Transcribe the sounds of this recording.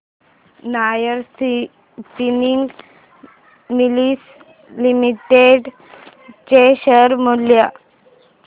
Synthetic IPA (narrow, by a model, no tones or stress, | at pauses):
najəɾ | siniŋɡ | milis | limiʈeɖ | t͡ɕeɕəɾmolja